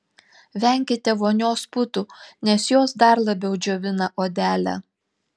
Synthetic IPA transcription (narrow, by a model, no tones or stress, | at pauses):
ʋʲɛˑŋʲkʲɪt̪ʲɛʋoːnʲoːspʊt̪unʲɛsjoːsd̪ɐɾlˠɐbʲɛʊd͡ʒʲoːʋʲɪnɐʔoːd̪ʲæːlʲæ̰ː